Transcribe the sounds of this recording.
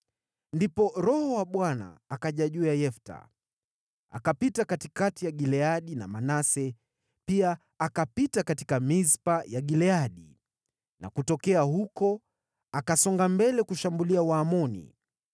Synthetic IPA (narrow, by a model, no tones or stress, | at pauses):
ndipɔɾɔhɔwaɓwana̰ːkaʄaʄujajɛfta̰ | a̰kapitakatikatijaɠilɛaɗina̰manasɛ | piaː | kapitakati̥kamizpajaɡilɛaɗi | na̰kutɔkɛaɦukɔ | akasɔŋɡambɛlɛkuʃambuliawaːmɔnḭ